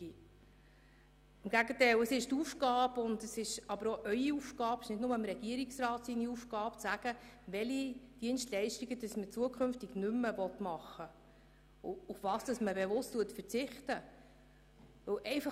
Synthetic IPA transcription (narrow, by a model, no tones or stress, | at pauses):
i | ɪmɡ̥æɡətɛləsɪʃtuːfkɑːbʊndəsɪʃɑbəɾoʔœʏiufkɑːpɪ̥ʃnɪdnʊməɪmɾɛɡiəɾiksrɑːtsiniufkɑːpt͡sæɡ̥əʋɛlid̥iənʃtlɛɪʃtiɡəd̥ɑsmət͡suəkʰχʏnftiɡnʏmːəvɔtmɑχːə | ʊʊfvɑːsd̥ɑsməbevʊstːuətfəɾt͡sɪχtə | ʋɵwʔɛɪfɑ